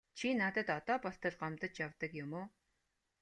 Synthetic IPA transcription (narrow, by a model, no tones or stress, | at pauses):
t͡ɕʰinat̪ə̆t̪ɔt̪ɔːpɔɬt̪ə̆ɮɢamt̪ə̆t͡ɕjawt̪ə̆kjʊmoː